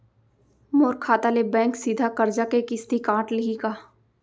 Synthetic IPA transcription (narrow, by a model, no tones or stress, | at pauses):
moːɾkʰaːt̪alebɛ̃ːŋksid̪ʱakɐɾd͡ʒakekɪst̪ikãːʈlɪɦikaː